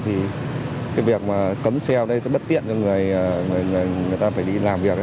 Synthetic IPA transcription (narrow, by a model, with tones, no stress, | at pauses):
t̪ʰi˨˩ka˨˦jvi˨˩ək̚maː˨˩kə˨˦msɛ˧wɗə˨˦jsɛ̰˧˥ɓə˦˥t̚t̪ḭ˧˨ənt͡ɕɔ˧ŋɨ˨˩əjːŋɨ˨˩əjŋɨ˨˩əjŋɨ˨˩əjt̪aː˧faː˧˩jɗi˧laː˨˩mvi˨˩ək̚